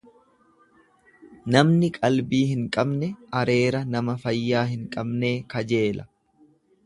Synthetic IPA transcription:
nɐmnɪkʼɐlbiːhɪŋkʼɐbnɛʔɐɾe̞ːɾɐnɐmɐfɐjːaːhɪŋkʼɐbne̞ːkɐd͡ʒe̞ːlɐ

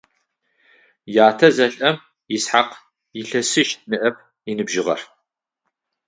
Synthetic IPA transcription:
jaːtʰɐzɐɬʼɐm | jɪsħaq | jɪɬɐsɨʃnɨʔɐp̚ʰ | inɨbʒɪʁɐ̰r

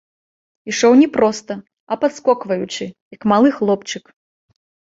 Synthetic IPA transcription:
iʂɔwnʲɛpɾɔst̪ɐ | ɐpat̪skɔkvɐjut͡ʂɨjɐkmalˠɨxlˠɔpt͡ʂɨk

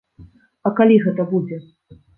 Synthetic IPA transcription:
ɐkalʲiɣɛt̪ɐbud͡zʲɛ

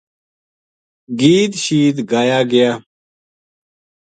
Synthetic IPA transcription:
ɡiːt̪ɕiːd̪ɡaːjaːɡɪjaː

